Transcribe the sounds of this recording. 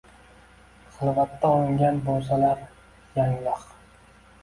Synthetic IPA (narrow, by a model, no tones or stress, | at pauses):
χɨlˠvat̪ʰːaolɪŋɡʲanbolˠs̬alaɾ | jaŋlɨq